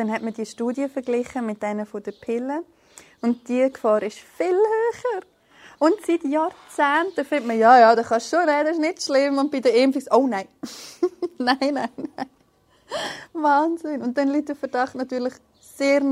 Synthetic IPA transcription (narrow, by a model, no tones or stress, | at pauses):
d̥ɛnhɛtmədiəʃtuːdjəfəɾɡlɪχəmɪt̚d̥ɛnəfod̥əpʰɪlə | ʊnt̚d̥iəkfɑːɾɪʃfɪlhøːχəɾ | ʊntsitjɑːɾt͡sæːntəfɪntməjɑjɑːdɑχɑʃʃonɛdɛɪʃnɪtʃlɪmʊnt̚b̥idəeːmfisoʊnaɪ | naɪnaɪnaɪ | vɑːnzɪnʊnt̚d̥ɛnliːt̚d̥əfəɾd̥ɑχtnɑtyːɾlɪχ | seːɾ